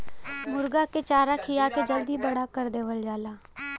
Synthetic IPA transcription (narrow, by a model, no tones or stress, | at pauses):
mʊɾɡaket͡ʃaːɾakʰijaked͡ʒəld̪ibəɽakəɾd̪eːʋəld͡ʒaːlaː